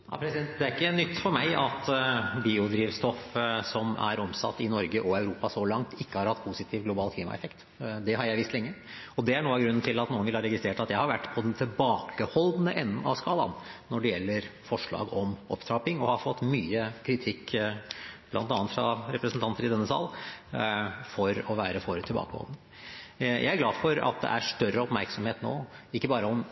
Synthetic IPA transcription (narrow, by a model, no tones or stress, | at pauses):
ɑ̰pʰɾɛsɪd̪ɛnt̪d̪ɛæɾɪkːənʏt̪ːfɔɾmæɪʔɑt̪biːʊd̪ɾiːʋst̪ɔfsɔmæ̰ɾɔmsɑ̰t̪ːɪnɔɾɡəʔɔɑʉɾuːpɑsɔlɑŋt̪ʰɪkːəhɑɾhɑt̪ːpʰuːsɪt̪ʰiːʋɡlʊbɑːlkʰliːmɑ̰ɛ̰fɛkt̪ | d̪ɛɦɑɾjæɪʋɪst̪lɛŋːə | ɔd̪ɛæɳuːɑɡɾʉnːn̩t̪ʰɪlɑt̪nuːənʋɪlhɑɾɛɡɪst̪ɾeːʈɑt̪jæɪhɑɾʋæʈːpʰɔd̪ɛnt̪ʰɪlbɑːkəhɔld̪nəʔɛnːənɑ̰ʋskɑːlɑ̰nnɔɖɛjɛlːəɾfɔʂɭɑ̰ːɡɔmʔɔ̰pt̪ʰɾɑːpɪŋɔhɑfɔt̪ːmyːəkʰɾɪt̪ʰɪkː | blɑ̰nt̪ɑːnt̪fɾɑ̰ɾɛpɾəsn̩t̪ʰɑnt̪əɾɪd̪ɛnːəsɑ̰ːl | fɔɾɔʋæːɾəfɔɾt̪ʰɪlbɑ̰ːkəhɔ̰ld̪nə | jʔæ̰ɪæɾɡlɑːd̪fɔɾɑ̰t̪̚d̪ɛ̰ʔæʂʈœɾəɔpmæɾksɔmheːt̪no̰ːɪkːəbɑːɾəɔm